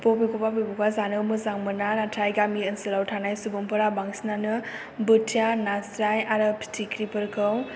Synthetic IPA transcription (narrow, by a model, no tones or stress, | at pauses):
popekɔpapebɔpazanɯwmɯzaŋmɯnanatʰajɡamiɯnsɯlawtʰanajsubumpʰɯɾabaŋsnanɯ | bɯtʰijanasɾajaɾɯpʰi̥tʰikʰɾipɯɾkʰɯw